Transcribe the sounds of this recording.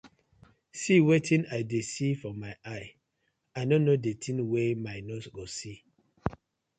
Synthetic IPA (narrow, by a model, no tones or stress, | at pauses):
siwɛtʰĩnaɪdesifɔmaɪʔaɪ | aɪnonodetʰĩnwɛmaɪnɔsɡosi